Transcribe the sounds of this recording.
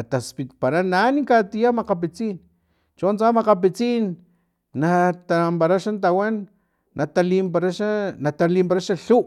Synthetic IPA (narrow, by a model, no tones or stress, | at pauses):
at̪aspit̪paɾananikat̪ijamaqap̬it͡sin | t͡ʃont͡samaqap̬it͡sinː | at̪ampaɾaʃant̪awanː | ʔat̪alimpaɾaʃanat̪alimpaɾaʃaɬuʔ